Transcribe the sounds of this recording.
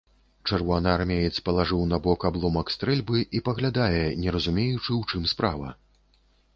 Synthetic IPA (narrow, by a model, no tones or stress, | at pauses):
t͡ʂɛrvɔanaarmʲɛjɛt̪sʲpɐlˠaʐɨwnɐbɔkablˠɔmɐkst̪ɾɛlʲbɨʔipɐɣlʲad̪ajɛnʲɛɾɐzumʲejut͡ʂɨwt͡ʂɨmspɾavɐ̰